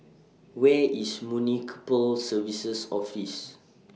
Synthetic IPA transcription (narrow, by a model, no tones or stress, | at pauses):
wɛismjunikʰpəlsəvisəsɔfis